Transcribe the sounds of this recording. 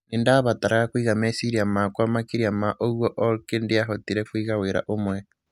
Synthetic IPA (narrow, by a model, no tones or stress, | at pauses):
nindaβataɾaɣakwiːɣamesiɾiamakwamakiɾiamaʔoɣwoʔoɾkindiaɦotiɾekwiːɣaweɾa̰ʔomwe